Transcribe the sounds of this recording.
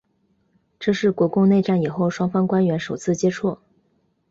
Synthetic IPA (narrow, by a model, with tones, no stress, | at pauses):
ʈ͡ʂɤ˥˧ʂɻ̩˥˩kwɔ˧˥kʊ˥˧ŋne˥˧ɪʈ͡ʂa˥˩ni˨˩xo˥˩ʊʂwɑ˥ŋfɑ˥ŋkwa˥nɥɛ˧˥nʂo˨˩ʊt͡sʰɹ̩˥˩t͡ɕjɛ˥ʈ͡ʂʰwɔ˥˩